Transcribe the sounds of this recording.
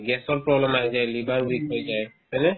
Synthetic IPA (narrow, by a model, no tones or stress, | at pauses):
ɡɛsɔɹpɹɔblɛmaɦjzajlibanbikɦojzajsɛnɛ